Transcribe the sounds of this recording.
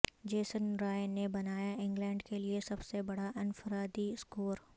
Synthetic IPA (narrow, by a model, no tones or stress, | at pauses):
d͡ʒeːsənɾaːɪnebɐnaːjaʔɪ̃ŋɡlɛ̃ːɳɖkeliesɐbsebɐɽaʔɪnfəɾaːd̪iskoːɾ